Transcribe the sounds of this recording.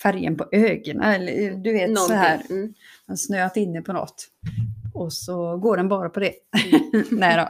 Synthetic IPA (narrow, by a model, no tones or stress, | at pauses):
fæɾjə̰npʰɔʔøːɡənʔa̰ɛlːə̰ɾd̪ɵveːt̪sɔɦæːɾ | hɛnsnøːat̪ɪnːəpʰɔnɔ̰t̪ː | ɔsɔɡoːɖɛnbɑːɾapʰɔd̪ɛ | nɛd̪ɔ̰